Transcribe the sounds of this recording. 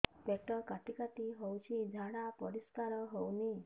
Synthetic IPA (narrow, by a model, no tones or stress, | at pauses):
pek̚ʈɔkaʈikaʈ̪iɦɔwt͡ʃʰid͡ʒʱaɽ̃apɔɾiskaɾɔɦɔwni